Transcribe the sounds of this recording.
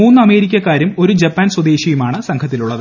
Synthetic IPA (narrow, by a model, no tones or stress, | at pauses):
uːnːɨɐme̞ːɾikʲːɐkːaːɾumo̞ɾud͡ʑɐpːaːnswɐd̪e̞ːɕjɐjumaːɳɨsɐŋkʰɐt̪ːiluɭːɐðɨ